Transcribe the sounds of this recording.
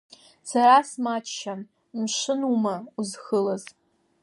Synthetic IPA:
saɾasmaːt͡ʃʃan | mʃɨnumɐuzxɨlɐz

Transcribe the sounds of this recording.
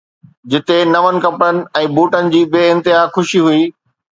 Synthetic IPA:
d͡ʑɪt̪enɐʋənɪ̆kɐpɾənɪ̆ɛ̃ːbuːʈənɪ̆d͡ʑiːbeːɪ̃nt̪ɪɦaːxʊʃiɦuiː

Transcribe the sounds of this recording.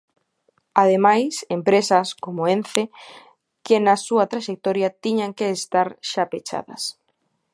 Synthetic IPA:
aðemajsempɾesɐskomoenθe | kɪnasuɐt̪ɾaʃek̚t̪ɔɾjat̪iɲaŋkeːst̪aɾʃapet͡ʃa̰ðɐ̰s

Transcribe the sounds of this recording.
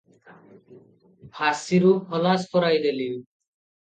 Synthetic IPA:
bʰʱasiɾuhɔlaspɔɾajd̪eli

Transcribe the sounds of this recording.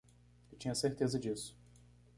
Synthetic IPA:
ewt͡ʃĩɲɐseɾt̪ezɐd͡ʒisʊ̥

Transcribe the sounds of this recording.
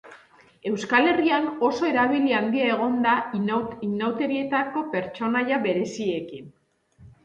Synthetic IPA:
e̞wskale̞riano̞so̞e̞ɾaβiliand̪iae̞ɣ̞o̞nd̪ainawt̪e̞ɾie̞t̪ako̞pe̞ɾt͡ʃo̞najaβe̞ɾe̞sie̞kin

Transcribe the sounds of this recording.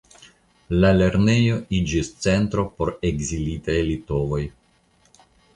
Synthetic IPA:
lale̞ɾne̞joid͡ʒist͡se̞nt̪ɾo̞po̞ɾe̞ɡzilitajlito̞vo̞j

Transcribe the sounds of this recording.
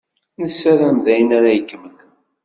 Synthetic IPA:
nəsːæɾæmðæjənaɾæjəkːmən

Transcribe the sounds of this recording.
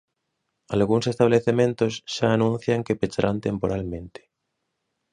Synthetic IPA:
alɣuŋsest̪aβleθemẽnt̪osʃaːnũn̟θjaŋkepet͡ʃaɾʔant̪empoɾalmẽnt̪e̥

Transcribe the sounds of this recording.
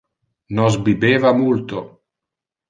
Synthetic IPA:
nɔzbibeːvamult̪o̰

